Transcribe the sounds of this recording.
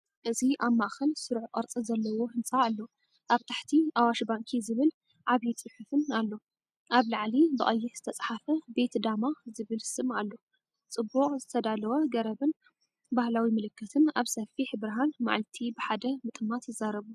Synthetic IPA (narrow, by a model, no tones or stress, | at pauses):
ʔɨziʔaβmaʔxɐlsɨɾʕqʼɐɾt͡sʼizɐlːɐwo̞hɨnsʼaːlːo̞ | ʔaβt̪ʰaħt̪ʰiʔawaʃbaŋkʰizɨβɨl | ʕaβijt͡sʼɨħufɨnalːo̞ | ʔaβlaʕlibɨʔʼɐjːɪɾzɨt̪ʰɐt͡sʼħafɐbe̞t̪d̪amazɨβɨlsɨmalːo̞ | t͡sʼɨbːuχʼzɨt̪ʰɐd̪alɐwɐɡɐɾɐβɨn | bahlawimɨlɨkːɨt̪ʰɨnaβsɐfiħbɨɾɦanma̰ʕlt̪ʰibɨħad̪ɐmɨt̪ʼɨmːat̪jɪzaɾɐβu